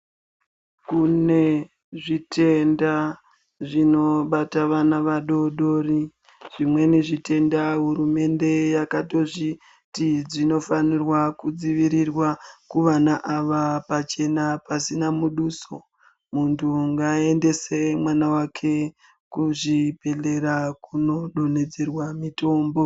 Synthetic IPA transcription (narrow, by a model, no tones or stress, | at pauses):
kune̞ | ʐitʰe̞nda | ʐino̞ɓataʋanaʋaɗo̞ɗo̞ri | ʐ̥imwe̞niʐite̞ndaɦurume̞nde̞jakato̞ʐi | tid͡zino̞fanirwakud͡ziʋiɾirwakuʋanaʔaʋapat͡ʃe̞napasinamuɗuːso̞ | muntʰuŋɡae̞nde̞se̞mwanawakʰe̞ | kuʐipe̞le̞ɾakuno̞ɗo̞ne̞d͡ze̞rwamito̞ːmbo̞